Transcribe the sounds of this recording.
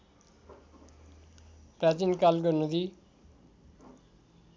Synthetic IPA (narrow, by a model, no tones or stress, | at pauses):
pɾat͡ʃinkalɡʌɾnud̪i